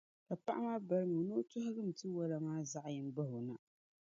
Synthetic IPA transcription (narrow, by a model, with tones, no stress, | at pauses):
ka˨pa˦ʔa˦ma˦ba˦ɾɨ˦ŋo˨no˦tʊ˦ɦa˦ɡɨ˦m̩˨tɨ˦wa˦la˨maː˦za˦ʔjɪ˦m˦ba˦hʊ˨na̰˨